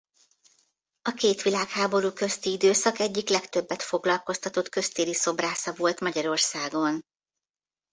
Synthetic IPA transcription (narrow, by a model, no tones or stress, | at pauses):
ɒkeːt̪ʋilaːkhaːbo̞ɾuːkø̞st̪iid̪øːsɒkɛɟːiklɛkt̪ø̞bːɛt̪fo̞ɡlɒlko̞st̪ɒt̪o̞t̪kø̞st̪eːliso̞braːsɒvo̞lt̪mɒɟɒɾo̞rsaːɡo̞n